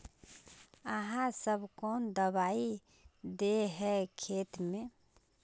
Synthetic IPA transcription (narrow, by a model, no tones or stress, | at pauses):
əɦãsəbkɔːnd̪əbai | d̪eɦɛkʰeːt̪mẽ